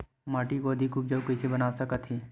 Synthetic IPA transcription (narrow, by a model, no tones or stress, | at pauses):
maːʈikoɐd̪ʱikʊp̚d͡ʒəwkɛɪsebɐnaːsɐkət̪ʰɦeː